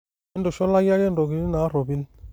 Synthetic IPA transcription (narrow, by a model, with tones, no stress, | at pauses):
ɛ˦ndɔ˨ʃɔ˦la˦ɡi˦a˦ɡɛ˦ndɔ˨ɡi˦n˦na˨˦ɾɔ˨bi˦n